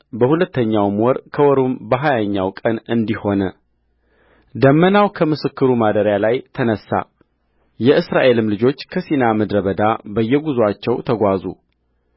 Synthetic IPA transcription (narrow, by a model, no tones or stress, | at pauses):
bəhulət̪ːəɲːawmwɔɾkʰəwɔɾumbəɦajaɲːa̰wkʼənɨnd̪iho̞nə | d̪əmːənawkʰəmɨsɨkːɨɾumad̪əɾjalajt̪ʰənəsːa̰ | jɛʔɨsɾaʔe̞lɨmlɨd͡ʒo̞t͡ʃːkʰəsinaməd̪ɾəβəd̪abəjːɛɡuzat͡ʃːɛwt̪ʰəɡʷazṵ